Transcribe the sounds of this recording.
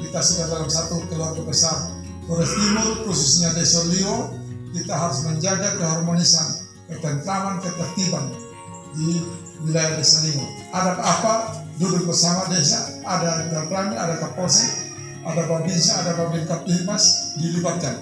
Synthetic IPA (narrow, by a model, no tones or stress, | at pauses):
kit̪asudadalamsat̪uk̪əluakɔbəsar | t̪ɔɾɛst̪imurkususɲadɛsaliɔkit̪aɦaɾusmɛɲd͡ʒaɡakəɦarmɔnisan | kət̪ɛnt̪ɾaŋankət̪ɛrt̪iban | di | wilajahdɛsaliɔ | adapapadudulpɛrsamadɛs̬aːdaɡapɾania̰dakapɔs̬ɛk | adababinsaːdababinkapiɦnasdilibat̪̚kan